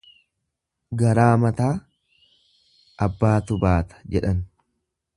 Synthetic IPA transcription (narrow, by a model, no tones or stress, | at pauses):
ɡɐɾaːmɐt̪aː | ɐbːaːt̪ʊbaːt̪ɐ̥d͡ʒɛᶑɐn